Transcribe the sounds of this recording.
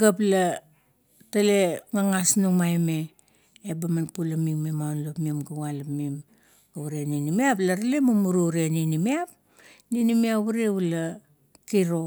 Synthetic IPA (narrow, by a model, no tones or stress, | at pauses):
ɡap̬la | tale̞ŋaŋasnumajme̞ː | bamanpulamiŋmemawnlopmimɡawalapmim | ɡawuɾeninimiaplaɾalemamuɾuɾeninimiap̚ | ninimiaβuɾeula | kiɾo̞